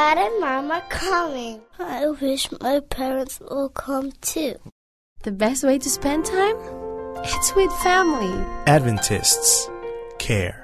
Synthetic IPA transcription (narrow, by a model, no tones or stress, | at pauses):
æɾə̃maməkʰʌmɪ̃ŋaɪwɪʃmʔaɪpʰɛɹə̃ntswɪlˠkʰʌ̃mtʰʉ | ðɨbɛst̚weɪɾɨspɛ̃ntʰãɪ̃mɪtswɪð̥fæml̩ˠiædvɨ̃ntʰɪ̰stskʰɛ̰ɹ